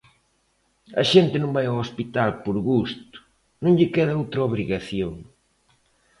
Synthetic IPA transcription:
ɐʃent̪ɪnõmbajawospit̪alpoɾɣust̪ʊ̥ | nõŋʎɪkɛðɐowt̪ɾɐoβɾiɣaθjoŋ

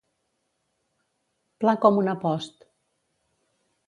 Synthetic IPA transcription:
plakɔmunəpɔst̪

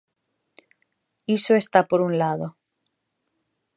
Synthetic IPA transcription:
isoest̪apoɾunlaðo

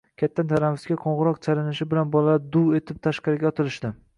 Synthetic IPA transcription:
kʲʰat̪ʰːant̪ʰaɾamɪsɡʲaqʰoɴʁɨɾɒqt͡ʃʰalɪnɪʃɪbɪlanbɒlaad̪uwe̞t̪ʰɪp̚t̪ʰaʃqɑɾɪɡʲaɒt̪ʰɪlɪʃd̪ɪ

